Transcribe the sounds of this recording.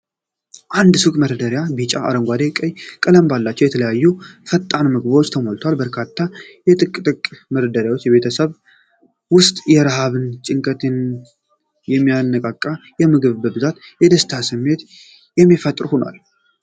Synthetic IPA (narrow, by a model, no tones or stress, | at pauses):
ʔand̪sukʼməɾəd̪əɾjabit͡ʃʼaa̰ɾəŋɡʷad̪ekʼəjkʼələmbalːat͡ʃːɛwjɛt̪ʰələjajːufət̪ʼːanmɨɡbwot͡ʃːt̪ʰəmolt̪ʰwalbəɾkʰat̪ʰːajɛt̪ʼɨkʼt̪ʼɨkʼməɾəd̪əɾjawot͡ʃːjɛβe̞t̪ʰəsəβ | wʊst̪ʼjɛɾəhaβɨnt͡ʃʼɪŋkʼət̪ʰɨn | jɛmːijanːəkʼakʼːajɛmɨɡɨβbəbɨzat̪jɛd̪əst̪ʰasɨmːe̞t̪ | jɛmːifət̪ʼɾhonwa̰l